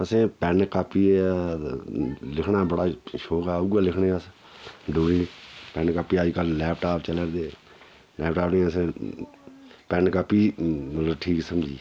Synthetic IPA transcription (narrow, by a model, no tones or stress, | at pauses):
əsẽːpɛnkaːpːiːe | lɪkʰnaːbəɽaːʃoːkɛːɡaːlɪkʰnẽːəs | ɖoːɽiːpɛ̃ːnkaːpiːaːd͡ʒikəllɛːpʰʈaːpt͡ʃələɾd̪eː | lɛːpʰʈaːpnẽːəsẽː | pɛːnkaːpːiːmət̪ləbʈʰiːksəmd͡ʒḭː